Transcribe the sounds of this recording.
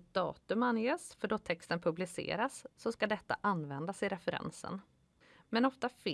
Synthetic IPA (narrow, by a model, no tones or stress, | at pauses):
t̪̚d̪ɑ̰ːt̪ɵmanjeːsfœɖɔt̪ʰɛkst̪ənpʰɵblɪsḛːɾasːɔskad̪ɛt̪ːa̰ʔanːvɛnd̪asɪɾɛfɛɾɛ̰nsə̰n | mɛnɔft̪af